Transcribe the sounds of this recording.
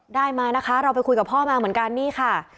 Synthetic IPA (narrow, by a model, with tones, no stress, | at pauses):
daː˥˩jmaː˧jna˦˥kʰa˦˥ɾa˧wpa˧jkʰu˧jka˨˩pʰɔː˥˩maː˧mɯ˩˦nŋka˧nːiː˥˩kʰa˥˩